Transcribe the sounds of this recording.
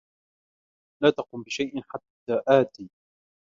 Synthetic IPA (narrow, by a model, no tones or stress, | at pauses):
laːt̪ɑqʊːmbɪʃajʔɪnħat̪ːaːʔaːt̪iː